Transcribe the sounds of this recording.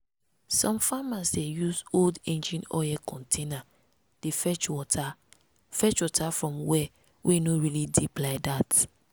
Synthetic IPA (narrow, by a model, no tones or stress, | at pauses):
sɔ̃mfamasdejusoldẽnd͡ʒĩnɔ̰ɛkʰɔ̃ntʰena | d̥efɛt͡ʃwɔta | fɛt͡ʃwɔtʰafɹɔ̃mwɛ | wʔenoɹilidiplaɪdat